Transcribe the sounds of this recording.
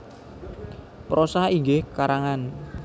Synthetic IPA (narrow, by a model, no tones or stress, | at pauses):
pɾosaiŋɡɪhkaɾaŋan